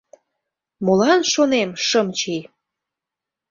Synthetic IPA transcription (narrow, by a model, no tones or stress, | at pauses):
molɑnʃonemʃəmt͡ɕi